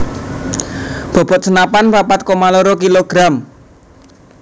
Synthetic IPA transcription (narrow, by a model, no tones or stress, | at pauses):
b̥ɔ̤b̥ɔ̤t̪̚sənapanpapat̪̚komaloɾokiloɡ̥ɾam